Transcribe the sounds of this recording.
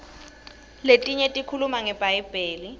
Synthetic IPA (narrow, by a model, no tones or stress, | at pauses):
letʼiɲetʼikʰulumaŋɛbʼaibʼeːli